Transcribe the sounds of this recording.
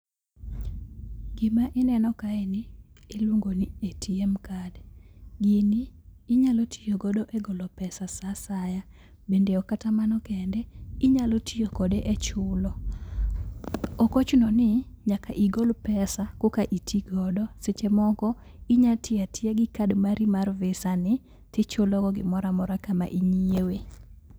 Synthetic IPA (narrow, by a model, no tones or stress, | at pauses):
ɡɪmaʔɪnɛnɔkaɛnɪ | elwuŋɡonietiɛmkadɡɪniːɲalotʰijoɡɔdɔʔɛɡɔlɔpɛsasasaja | bendeɔkatamanɔkɛndɛɪɲalotʰijokɔdeʔɛt͡ʃʊlɔ | okot͡ʃnɔnɪ | ɲakaʔiɡolpɛsakokaʔitʰiɡɔdɔset͡ʃemɔkɔ | iɲatɪatɪeɡɪkadmaɾimarvɪsanɪ | tɪt͡ʃʊlɔɡɔɡɪ̰mɔɾamɔɾakama̰ʔiɲiewe